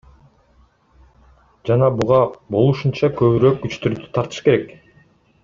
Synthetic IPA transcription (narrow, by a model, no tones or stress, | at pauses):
d͡ʒɑnɑbuʁɑbo̞lˠuʃunt͡ʃɑkø̞βyɾøːk̚ɡyt͡ʃt̪yɾyd̪y̥t̪ʰɑɾt̪ɯ̥ʃkeɾek